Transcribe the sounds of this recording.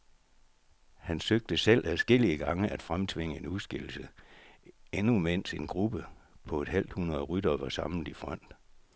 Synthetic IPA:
hænsøɡ̥̚d̥əsel̰æsɡ̥e̝l̰iəɡ̥ɑ̈ŋəʔæd̥fʁamt͡sʰʋe̝ŋəe̝nuðˠsɡ̥il̰l̩sə | enume̝n̰se̝nɡ̥ʁub̥əpʰɒ̽e̝d̥hæl̰d̥hunɐðˠʁyd̥ɐʋɑ̈sɑ̈ml̩d̥ifʁɒn̰d̥

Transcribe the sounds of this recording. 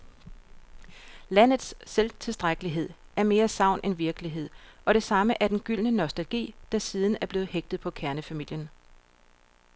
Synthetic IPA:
læn̰ð̞̩ˠsːelt͡sʰe̝sd̥ʁaɡ̥əliɦe̝ð̞̰ˠæɐme̝ːɐsɑ̈ʊ̰nʔenʋiɐɡ̥əliɦe̝ð̰ˠʔɒ̽ɾ̥e̝sɑ̈məʔæɐd̥enɡ̥yl̰nənɒsd̥ælɡ̥ḭːd̥ɑ̈siːðˠn̩æɐb̥le̝ːð̩ˠheɡ̥̚d̥ð̞̩ˠpʰɒ̽kʰæɐnəfæmil̰jən

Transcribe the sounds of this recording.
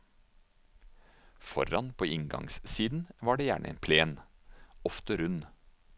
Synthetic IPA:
fɔ̰ɾɑnpʰoːʔɪŋɡɑ̰ŋssiːd̪n̩ʋɑːɖeːjæ̰ːɳə̰ʔḛːnpʰleːnɔft̪əɾʉn

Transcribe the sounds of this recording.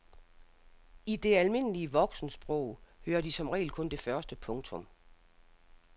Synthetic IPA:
id̥e̝ælme̝n̰əliəʋɒ̽ɡ̥sn̩sb̥ʁɔʊ̰høːɐd̥isɒ̽mʁɛ̰ːlkʰɔ̽nd̥e̝fɶɐsd̥əpʰɔ̽ŋt͡sʰɔ̽m

